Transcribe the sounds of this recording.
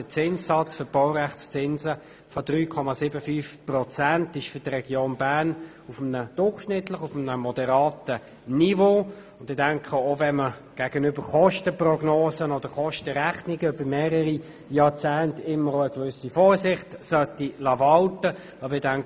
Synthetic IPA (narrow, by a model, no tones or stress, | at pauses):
ət͡sɪnssɑt͡sfʏb̥ɔʊʁæχst͡sɪnzə | fɔd̥ʁyːkʰɔmɑsɪbəfyːfprɔt͡sæntɪʃfʏʁdərɛɡ̥joːnbæʁn | ufmənəd̥ʊrχʃnɪtləχʊfmənəmɔdɛʁɑːtə | nivoːʊndɪdæŋkχəovɛnməɡ̥æːɡ̥ənʏbəɾχɔʃtəprɔɡnoːsənɔd̥əχɔʃtəʁæχnɪɡəʏbəmeːɾəɾi | jɑːt͡sæːntɪmːəɾoəkvʏsifɔːɾsɪχtsœtilɑvɑltə | ɑbəɪdæŋ